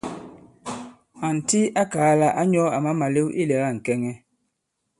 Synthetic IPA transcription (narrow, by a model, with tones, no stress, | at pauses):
a˨n̩˨ti˦a˦kaː˨˦la˦ʔa˦ɲɔ˦a˨ma˦ma˨le˦wʔḭ˦lɛ˨ɣa˦˨ŋ̩˨kɛ˦ŋɛ˦